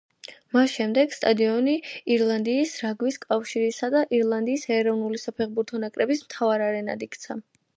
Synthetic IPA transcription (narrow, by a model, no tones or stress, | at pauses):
masʃɛmd̪ɛɡst̪ʼad̪iɔniiɾlˠand̪iːsɾaɡwiskʼafʃiɾisad̪aʔiɾlˠand̪iːsɛːɾɔvnulisapʰɛχbuɾt̪ʰɔnakʼɾɛbismt̪ʰavaɾaɾɛna̰d̪ikʰʼt̪sʰa